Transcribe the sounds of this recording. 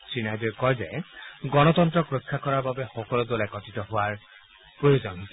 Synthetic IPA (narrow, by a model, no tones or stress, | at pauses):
sinajdikɔjzɛɡɔnɔtɔntɹɔkɹokʰːakɔɹaɹbabɛxɔkɔlɔdolɛkɔtitɔɦʊaɹ | pɹojozɔn